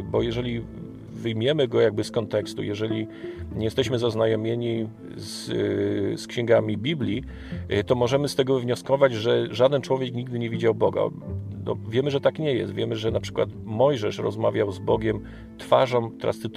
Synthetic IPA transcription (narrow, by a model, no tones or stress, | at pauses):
bɔjɛʐɛlʲi | vɘjmʲjɛmɘɡɔjaɡ̚bɘskɔnt̪ɛkst̪ṵjɛʐɛlʲiɲɛjɛst̪ɛɕmɘzaznajɔmʲjeɲi | s | skɕɛ̃ŋɡamʲibʲiblʲi | t̪ɔmɔʐɛmɘst̪ɛɡɔvɲɔskɔvad͡ʑʐɛʐad̪ɛnt͡ʂwɔvʲjɛkɲiɡ̚d̪ɘɲɛvʲid͡ʑawbɔɡa̰nɔ̰vʲjɛmɘʐɛt̪akɲɛjɛ̰st̪vʲjɛmɘʐɛnapʂɘ̥kwa̰t̪mɔjʐɛʂɾɔ̰zmavʲjawzbɔɡʲɛm | t̪faʐɔmt̪ɾa̰st̪ɘt̪